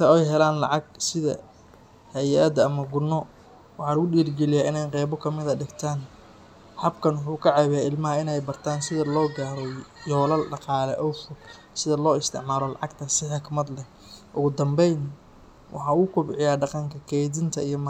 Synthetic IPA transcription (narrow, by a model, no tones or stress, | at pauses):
t̪ʰɐɔjɦɛlaːnlɑ̰ʕɑɡsɪðɐ̰ | hɛjʔɐd̪ɐmɐɡʊnːɔ | wɑħɑːlɐɣʊɗiːrɡɛlɪjaːʔɪnɛjqɛːβɔkʰɐmɪðɐɖɪɡt̪ʰaːn | hɐbkʰɐnwʊħuːkʰɐʕɑβɪjaːɪlmɐɦɐɪnɛjbɐrt̪ʰaːnsɪðɐlɔːɡaːɾɔjɔːlɐlɖɑqɑːlɛʔɔwfʊɡ | sɪðɐlɔːɪst̪ʰɪ̰ʕmaːlɔlɑ̰ʕɑɡt̪ʰɐsɪħɪkmɐd̪lɛ | ʔʊɣʊd̪ɐmbɛjn | wʔɑ̰ħɑːuʊkʰʊbʕɪjaːɖɑqɑŋkʰɐkʰɛjðɪnt̪ʰɐijɞm